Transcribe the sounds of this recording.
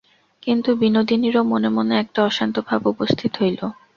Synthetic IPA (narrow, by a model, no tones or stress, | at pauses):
kint̪ubinod̪iniɾomonemoneɛk̚ʈaɔʃant̪obʱabupost̪ʰit̪oɦojlo